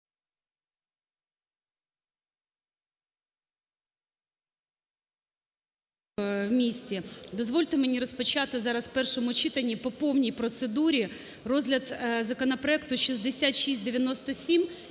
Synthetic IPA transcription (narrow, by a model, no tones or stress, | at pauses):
wmʲisʲt͡sʲid̪ɔzʋɔlʲt̪ɪmenʲiɾɔspɔt͡ʃɑt̪ɪzɑɾɐspɛrʃɔmʊt͡ʃit̪ɐnʲːipɔpɔwnʲijpɾɔt̪sed̪uɾʲi | rɔzɦlʲɐd̪zɐkɔnɐpɾɔɛkt̪ʊʃizd̪esʲat̪ʃisʲt̚ʲd̪eʋʲjɐnɔst̪ɔsʲim